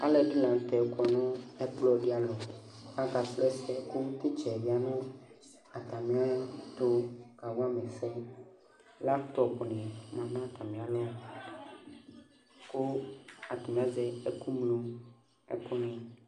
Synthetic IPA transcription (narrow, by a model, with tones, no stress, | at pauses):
a˦lɛ˨ɖi˦lã˨n̩˨t̪ɛ˨kɔ˨nɔ̃˦ɛ˦plɔ˦ɖi˦a˨lɔ˨a˨ka˨slɛ˦sɛ˦ko˦t̪i˦t͡ʃɛ˨vi˨a˨nɔ̃˦ | a˨t̪a˨mĩ˦a˦t̪o˦ka˨w̃a˦mẽ˨fɛ˦ | la˦ft̪ɔ˨pnɛ̃˨mã˨nã˦˨t̪a˨mĩ˨a˨lɔ˦ | ko˦a˨t̪ɔ˨mĩ˨a˦zɛ˨e˦ku˦mlũ˦ | ɛ̰˨kɔ˦nĩ˨